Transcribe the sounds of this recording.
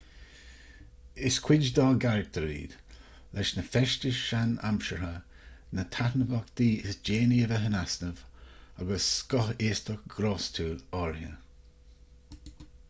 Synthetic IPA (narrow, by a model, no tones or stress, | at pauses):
ɪskʰwɪd͡ʒd̪ɑːɡaɹɡ̚d̪ʰəɾḭːd̪̥ | lʔɛʃnəfɛʃtəʃʃana̰mʃəɹɦə | nət̪ʰatnəvɔk̚d̪̥iːɪsd͡ʒeːniəvɛɦənasnəvaɡəsːkɔheːst̪ɔk̚ɡ̥ɾɔːstʰuːlɔːɹhə